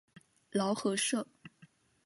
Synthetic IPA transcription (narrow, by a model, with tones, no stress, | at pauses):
lɑ˧˥ʊxɤ˧˥ʂɤ˥˩